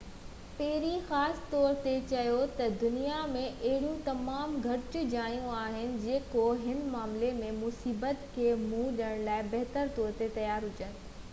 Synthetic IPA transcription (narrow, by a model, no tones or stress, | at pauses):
pɐɦɪɾixaːsɪ̥t̪ɔːɾt̪et͡ɕɐjot̪ɐd̪ʊnijamẽʔɐɦɪɽjũt̪ɐmaːmɡʱɐʈʊd͡ʑaːijũaːɦɪnɪ̆d͡ʑeːkoɦɪnmaːmlemẽmʊsiːbət̪kʰeːmũɗəɽ̃laːɪbɐɦt̪əɾt̪ɔːɾt̪et̪ɐjaːɾɦʊd͡ʑənɪ̆